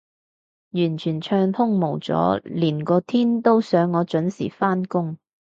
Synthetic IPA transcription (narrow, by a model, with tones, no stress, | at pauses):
jyː˨˩nt͡ʃʰyː˨˩nt͡ʃʰœː˧ŋt̪ʰʊ˥ŋmo˨˩wt͡sɔ̰ː˨˥liː˨˩nkɔː˧t̪ʰiː˥nt̪o˥wsœː˨˥ŋːɔː˨˧t͡ʃɵ˨˥nsḭː˨˩faː˥nkʊ˥ŋ